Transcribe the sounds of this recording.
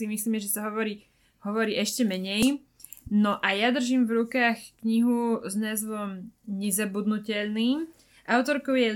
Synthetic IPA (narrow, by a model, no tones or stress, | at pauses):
imisliːmɛʒɛsaɦɔʋɔɾiː | ɦɔʋɔɾiːʔɛʃcɛmɛɲɛj | nɔʔajad̪r̩ʒiːmvɾukaːxkɲiɦuznaːzʋɔmɲɛzabud̪nucɛʎniːm | ʔaʊt̪ɔɾkɔʊjɛ